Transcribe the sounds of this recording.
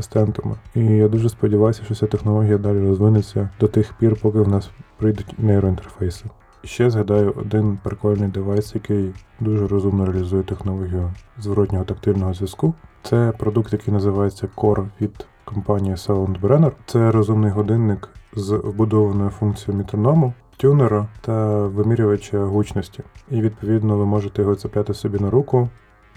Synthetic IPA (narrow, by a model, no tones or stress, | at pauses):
ɪst̪ɛnt̪ɐmɪ̰ijad̪uʒɛspɔdʲiʋɑjʊsʲɐʃt͡ʃɔt͡sʲat̪exnɔlˠɔɦʲijɐd̪ɑlʲiɾɔzʋɪnɪt͡sʲːɐd̪ɔt̪ɪxpʲirpɔkɪʋnɑspɾɪjd̪ʊtʲnɛɛɾɔint̪e̥rfɛjsɪ | ʃt͡ʃɛzɦɐd̪ɑjʊʔɔ̰d̪ɪnpɾɪkɔlʲnɪjd̪ɪʋɑjsjɐkɪjd̪uʒɛɾɔzumnɔɾeɐlʲizujɛt̪exnɔlˠɔɦʲijʊzʋɾɔtʲnʲɔɦɔt̪ɐkt̪ɪlʲnɔɦɔzʲʋʲiskut̪sɛpɾɔd̪uk̚t̪jɐkɪjnɐzɪʋɑjet͡sʲːɐkɔrʋʲid̪̥ | kɔmpɑnʲijisɛʊnd̪bɾɛnɛrt̪sɛɾɔzumnɪjɦɔd̪ɪnːɪkzwbʊd̪ɔʋɐnɔjʊfunkt͡sʲijɔmʲit̪ɾɔnɔmʊ | tʲuneɾɐt̪ɐʋɪmʲiɾʲʊʋɐt͡ʃɐɦut͡ʃnɔsʲtʲiiʋʲid̪̚pɔʋʲid̪nɔʋɪmɔʒet̪ɛjɔɦɔt̪sʲɪpʲlʲat̪ɪsɔbʲinɐɾukʊ